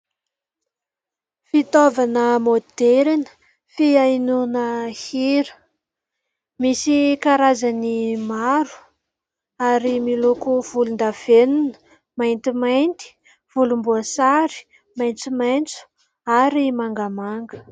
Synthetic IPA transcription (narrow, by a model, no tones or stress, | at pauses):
fit̪ovanəmod̪eɾinə̥ | fiajnunəhiɾə | misikaɾazanimaɾu̥ | aɾimilukuv̥ulund̪av̥enunə̥ | majnt̪imajnt̪i̥ | v̥ulumbuəsaɾi̥ | majnt͡sumajnt͡su̥ | aɾimaŋɡamaŋɡə̥